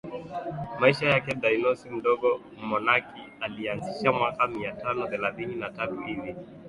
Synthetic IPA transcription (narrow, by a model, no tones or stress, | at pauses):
maiʃajakɛɗajnɔsim̩ɗɔɡɔ | mɔnaki | alianziʃamwakamiatanɔθɛlaθininatatuʔili